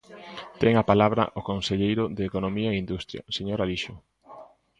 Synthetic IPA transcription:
t̪ɛŋapalaβɾɐ̰ʔokonseʎejɾʊðeːkonomiaeind̪ust̪ɾjɐ̰seɲoɾaliʃʊ

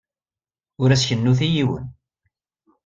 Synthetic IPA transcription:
ʊɾæsçənːuθijiwə̰n

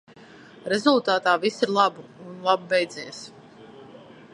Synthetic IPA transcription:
ɾɛzulˠt̪aːt̪aːvisiɾlˠabuunlˠabbɛjd̪zijs

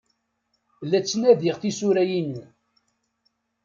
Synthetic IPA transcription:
lːæt͡sːnæðiʁθisuɾæjini

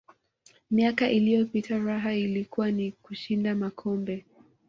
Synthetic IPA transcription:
miakaʔilijɔpitʰaɾaɦailikuwanikuʃindamakʰɔmbɛ

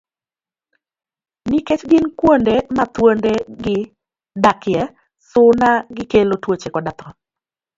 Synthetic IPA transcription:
niket͡ʃɡɪnkwondemat̪wondeɡɪ | dakɪɛ | sʊnaɡɪkelotwot͡ʃekɔdat̪ɔ

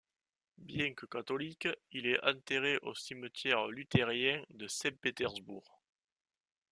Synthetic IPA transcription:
bjɛ̃ŋkəkat̪olikilɛɑ̃nt̪eʁeʔosimət̪jɛʁlyt̪eʁjɛ̃d̪əsɛ̃mpet̪ɛʁzbṵʁ

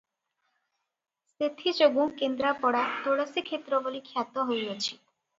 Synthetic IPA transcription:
set̪ʰid͡ʒoɡukend̪ɾapɔɽat̪oɽɔsikʰet̪ɾɔbolikʰjat̪ɔɦojot͡ʃʰi̥

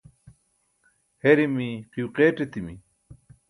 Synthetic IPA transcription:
heɾimiqiuqeːʈet̪imi

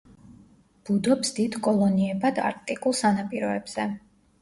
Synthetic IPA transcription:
b̥ud̪ɔpsd̪id̪kʼɔlˠɔniɛbad̪a̰ɾk̚ʼt̪ʼikʼulˠsanapʼiɾɔɛbz̥ɛ

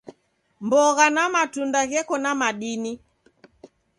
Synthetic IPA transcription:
mbɔɣanamatundaɣɛkɔnamaɗini

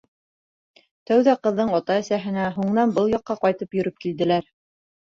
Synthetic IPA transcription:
t̪æwðæqɤ̆ðːɤɴɑt̪ɑɘ̆sæɦɘ̆næɦuɴnɑnbɤlˠjɑqːɑqɑjt̪ɤpjɵ̆ɾɵp̚kild̪ɘ̆læɾ

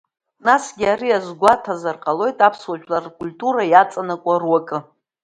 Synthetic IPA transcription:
nasɡʲiariazɡʷatʰazarqʼalo̞jtʼapʰswaʒᶣlarkʷʼulʲtʼuɾajat͡sʼanakʷʼarwakʼɨ

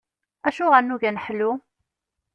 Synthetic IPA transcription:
æʃuʁænːuʝænəħlu

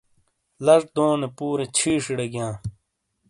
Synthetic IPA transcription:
lɐʂ̚d̪oːnepuːɾet͡ɕʰiːʂiɽeɡjãː

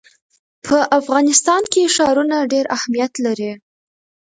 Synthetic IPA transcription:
pʰəʔafɣɑnɪst̪ɑnkeʃɑɾunaɖeɾahmijat̪laɾi

